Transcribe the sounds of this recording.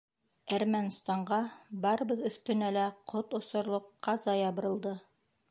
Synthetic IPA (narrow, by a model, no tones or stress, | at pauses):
æɾmænst̪ɑɴɢɑbɑɾɤ̆bɤðɵ̆θt̪ɵ̆nælæqʰot̪ŏsŏɾlˠŏqːɑzɑjɑβɤ̆ɾɤ̆lˠd̪ɤ